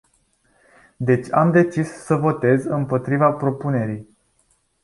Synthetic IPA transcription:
d̪e̞t͡ʃʲamd̪e̞t͡ʃisːəvo̞t̪e̞zɨmpo̞t̪ɾivapɾo̞pune̞ɾij

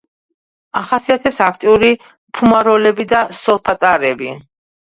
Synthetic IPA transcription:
aχasiat̪ʰɛpsakʰt̪ʼiuɾi | pʰumaɾɔlɛbid̪asɔlˠpʰat̪ʼaɾɛbi

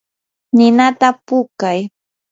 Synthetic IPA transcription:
nɪnat̪apʊkaj

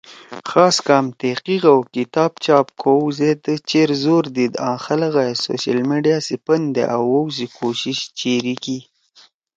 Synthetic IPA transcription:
xɑːskɑmt̪eqiɣawkɪt̪ɑːbt͡ʃɑːp̚kʰozed̪ət͡ʃeɾzoːɾd̪id̪ɑ̃ːxaləɣaso̰ʃalmeɖijasipənd̪ḛʔawːowzikʰoʃiʃt͡ʃeɾiki

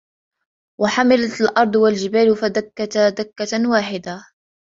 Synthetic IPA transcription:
waħamalat̪alʔɑɾˤd̪ˤwald͡ʒɪbaːlfad̪akːat̪ad̪akːawaːħɪd̪a

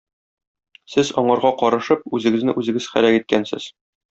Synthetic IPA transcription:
sɘzɒɴɑɾʁɑqɒɾɤ̆ʃɤp̚ʉzɘ̆ɡɘ̆znɘʔʉzɘ̆ɡɘzχæ̰lækit̪̚kænsɘ̰z̥

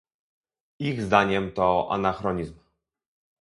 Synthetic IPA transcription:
iɣzd̪aɲɛmt̪ɔʔa̰naxɾɔɲizm

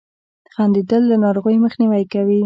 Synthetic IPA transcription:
d̪̥əɣɑnd̪id̪əlːanɑɾoɣəjməxniwajkawi

